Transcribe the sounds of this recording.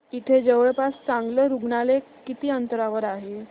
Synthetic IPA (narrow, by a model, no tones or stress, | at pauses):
it̪ʰed͡zəʋəɭpast͡sãŋɡləɾuɡɳale | kit̪iːənt̪əɾaʋəɾaɦe